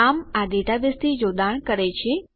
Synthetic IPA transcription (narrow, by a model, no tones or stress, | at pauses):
amaɖeʈabest̪ʰid͡ʒod̪aɳkəɾet͡ʃʰe